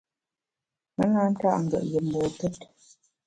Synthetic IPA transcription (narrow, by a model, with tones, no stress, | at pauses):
mə˦ŋa˦n̩˦ta̰˦ʔŋ̩˨ɡə̰˨ʔjə˨m̩˨bɔ˨tɛ˦t